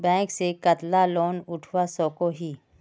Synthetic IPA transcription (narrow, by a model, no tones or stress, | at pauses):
bɛ̃ːŋksekət̪laloːnʊʈʰwasɔːkoɦiː